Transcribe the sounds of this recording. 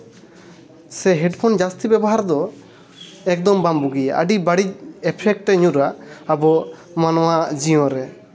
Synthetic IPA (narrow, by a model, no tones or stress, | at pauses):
sɛɦɛɖpʰɔnd͡ʒast̪ibɛbɔɦaɾd̪ɔ | ɛk̚d̪ɔmbambuɡijaʔa̰ɖibaɽic̚ɛpʰɛk̚ʈːɛɲuɾaabɔ | manɔwad͡ʒiɔ̃ɾɛ